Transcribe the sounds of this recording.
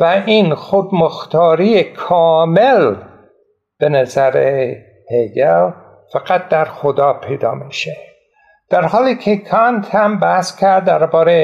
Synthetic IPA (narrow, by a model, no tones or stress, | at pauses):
væinxod̪moxt̪ʰɒːɾijekʰɒːmel | b̥enæzæɾe | pʰeɡel | fæɡæt̪̚d̪æɾxod̪ɒːpʰejd̪ɒ̰ːmiʃe | d̪̥æɾhɒːliːkʰekʰɑnt̪ʰhæmbæhskʲʰæɾd̪ːæɾbɒːɾe